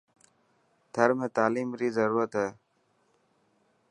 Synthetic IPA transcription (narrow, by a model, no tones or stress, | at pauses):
t̪ʰəɾmẽːt̪aːliːmɾiːzəɾuːɾət̪ɦɛː